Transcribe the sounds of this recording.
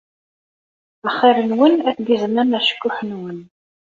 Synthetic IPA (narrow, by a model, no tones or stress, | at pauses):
æχːiɾənwənæθɡizmænæʃə̥kːʊħənwən